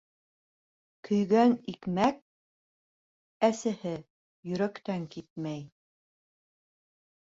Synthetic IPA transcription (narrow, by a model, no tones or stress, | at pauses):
kʰɵ̆jɡænikmæk̚ | æsɘhɘ | jɵ̆ɾækt̪æŋkit̪̚mæj